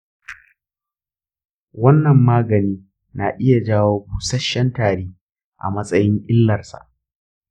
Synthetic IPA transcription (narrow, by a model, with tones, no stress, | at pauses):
wɐ˦nːɐ˨mːaː˦ɡɐ˨niː˦ | na˨ʔɪ˦ja˨d͡ʒaː˦woː˦buː˨sɐ˦ʃːɛ˦ntaː˨ɾeː˦ | ʔa̰˨mɐ˦sʼɐ˦jɪ˦ŋʔɪ˦lːɐ˨rsa̰˨ʔ